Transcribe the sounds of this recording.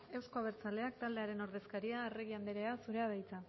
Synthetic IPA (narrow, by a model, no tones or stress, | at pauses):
e̞wsko̞aβe̞ɾt͡sale̞ak̚t̪ald̪e̞aɾe̞no̞ɾðe̞skaɾiaereɣ̞iand̪eɾe̞asuɾe̞að̞ajt͡sa